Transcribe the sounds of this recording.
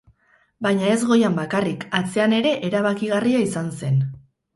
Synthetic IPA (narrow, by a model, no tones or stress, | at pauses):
bajɲae̞zɣo̞jambakarikat͡se̞ane̞ɾe̞ʔeɾaβ̞akiɣariaisanse̞n